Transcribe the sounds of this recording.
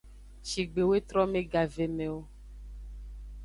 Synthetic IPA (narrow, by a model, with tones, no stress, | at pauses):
ʃi˨ɡ͡be˨we˦t̪ɾɔ˦mẽ˦ɡa˨ve˨me˨wo˦